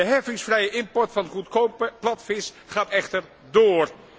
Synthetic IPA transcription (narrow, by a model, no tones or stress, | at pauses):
əɦɛfɪŋsfrɛjəʔɪmpɔɹtfɑnχutkowpplɑtfɪs | χaːtɛχtəɹ | doːr